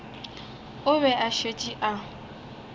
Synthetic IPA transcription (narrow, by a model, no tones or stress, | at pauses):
ʊβɛʔaʃet͡ʃʼiʔa